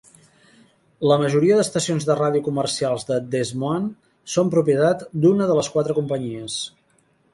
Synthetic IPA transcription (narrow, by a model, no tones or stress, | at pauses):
ləməʒuɾiəðəst̪əsionzðəraðiukumərsialˠzðəd̪ezmon | sompɾupiət̪at̪d̪unəðələskwat̪ɾəkumpəɲiəs